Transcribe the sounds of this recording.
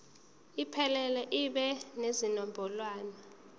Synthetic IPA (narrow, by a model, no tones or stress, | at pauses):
ipʰɛlɛlɛʔiɓɛnezinɔmbʱɔlwaːna